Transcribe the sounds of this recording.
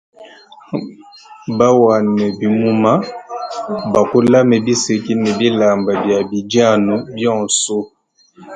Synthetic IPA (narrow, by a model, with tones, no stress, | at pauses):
ba˦wa˨nɛ˨bi˨mu˦ma˦ | ba˨ko˦la˦mɛ˨bi˦se˨ki˦nɛ˨bi˦la˨mba˨bja˨bi˨dja˦˨nu˨bjɔ̃˦˨so˦